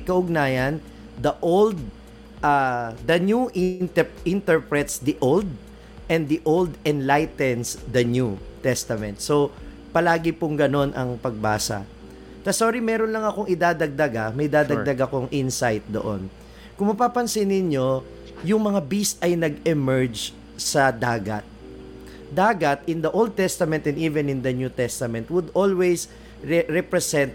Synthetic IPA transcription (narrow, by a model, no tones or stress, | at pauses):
kɐʔʊɡ̚naːjɐn | d̪ɐʔold̪̚ | ʔad̪ɐnjuʔ̪ɛɪnt̪ɛɹpɹɛt̪sd̪iʔowld̪̚ | ʔɛ̃nd̪iʔold̪ɛnlajt̪ɛnsd̪ɐnjut̪ɛst̪ɐmɛ̰nt̪̚so̞ | pɐlaːɡɪpʊŋɡɐno̞nʔɐ̰ŋpɐɡ̚ba̰ːsɐ̰ | t̪ɐsoːɾimɛɾonlɐŋɐkoŋɪd̪aːd̪ɐɡ̚d̪ɐɡamɐjd̪aːd̪ɐɡd̪ɐɡakoŋʔɪnsajt̪̚d̪o̰ʔo̰n | kʊŋmɐpapɐnsɪnɪɲjo̞ | jʊŋmɐŋabist̪ʔɐjnɐɡɛmɛɹd͡ʒ | sɐd̪aːɡɐt̪̚ | d̪aːɡɐt̪ɪnd̪ɐʔowld̪̚t̪ɛst̪ɐmɛnt̪ɛ̃nd̪iːvɛnɪ̃nd̪ɐnjut̪ɛst̪ɐmɛ̃nt̪wʊd̪olwɛjs | ɹɛpɾɛsɛ̃nt̪̚